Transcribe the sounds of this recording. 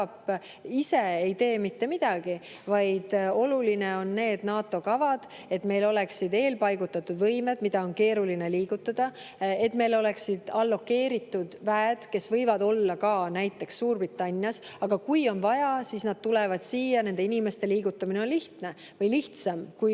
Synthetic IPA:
p | ise̞e̞jt̪e̞ːmit̪ːe̞mid̪̥ɑɡ̥i | vɑjd̪̥o̞luline̞o̞nːe̞ːd̪̥nɑːt̪ːˑo̞kɑvɑd̪̥ | e̞t̪me̞jlo̞le̞ksid̪e̞ːlpɑjɡut̪ːˑɑt̪ːˑud̪vɤjme̞d̪̥mid̪̥ɑo̞nke̞ːɾulineliːɡ̥ut̪ˑːɑd̪̥ɑe̞t̪ːˑme̞jlo̞le̞ksid̪̥ɑlːo̞kːe̞ːɾit̪ːˑud̪̥væed̪̥ke̞svɤjvɑd̪o̞lːɑkɑːnæjt̪ːˑe̞ksːuːrbrit̪ːˑɑnʲːjɑsɑɡ̥ɑkujo̞nvɑjɑsiːsnɑd̪̥̚t̪ulɛvɑd̪̥siːjɑne̞nd̪e̞inime̞st̪e̞liːɡ̥ut̪ˑːɑmine̞o̞nliht̪ne̞ | vɤjliht̪sɑmkuj

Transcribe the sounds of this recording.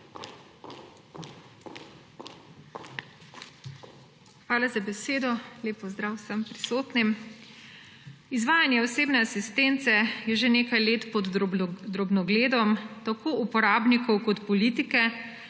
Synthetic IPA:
xʋaːlazabɛseːd̪ɔleːpɔzd̪ɾaːwsəmpɾisoːt̪nim | izʋaːjanjɛɔseːbnɛasist̪eːnt̪sɛjɛʒeneːkajleːt̪pɔd̪d̪ɾɔbnɔɡleːd̪ɔmt̪akʰoʔupɔɾaːbnikɔwkɔt̪pɔliːt̪ikɛ

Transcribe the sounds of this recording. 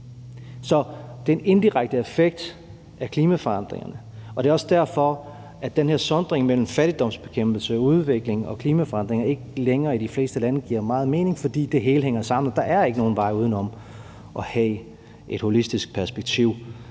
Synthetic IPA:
sɒ̽d̥e̝ne̝nd̥iʁaɡ̥̚d̥əefeɡ̥̚d̥ | æɐkʰliːmæfɒ̽ɑ̈n̰d̥ʁḛŋɐnə | ɒ̽d̥e̝ɒ̽sd̥æɐ̰fɒ̽ | ʔæd̥enheɐ̰sɒ̽nd̥ʁeŋmel̰m̩fæɾ̥id̥ɒ̽m̰sb̥e̝̥kʰemb̥l̩səuð̞ˠʋeɡ̥le̝ŋɒ̽kʰliːmæfɒ̽ɑ̈nd̥ʁeŋɐe̝ɡ̥əleŋɐːid̥ifle̝ːsd̥əlænəɡ̥iɐ̰mɑ̈ːð̞̩ˠme̝ːne̝ŋfɒ̽d̥ḭːd̥e̝ɦe̝ːləɦeŋ̰ɐsɑ̈m̰n̩ɒd̥ɑ̈ʔæɐe̝ɡəno̝ːn̩ʋɑ̈ɪ̰uð̞ˠn̩ɒ̽m | ʔɒ̽hɛ | ʔe̝d̥ho̝lisd̥isɡ̥̚pʰæɐsb̥eɡ̥̚t͡sʰiʊ̰

